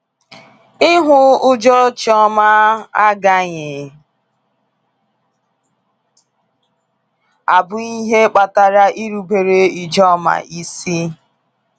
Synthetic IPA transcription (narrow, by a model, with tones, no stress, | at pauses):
ɪ˦ɦʊ˦ʊ˦d͡ʒɔ˦t͡ʃɔ˦ma˦a˦ɡa˦ɲɪ˨ | a˨bʊ˨˦i˦ɦe˦k͡pa˨ta˨ɾa˦ʔi˦ɾu˨be˨ɾe˦i˨d͡ʒɔ˦ma̰˨i˦si˦